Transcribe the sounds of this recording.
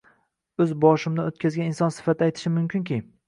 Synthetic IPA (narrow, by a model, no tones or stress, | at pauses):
ɵzbɒʃɪmd̪aot̪̚kʲʰazɡʲanɪnsɒnsɪ̥fat̪ʰɪajt̪ʰɪ̥ʃɪmʊmkʲɪŋkʲʰi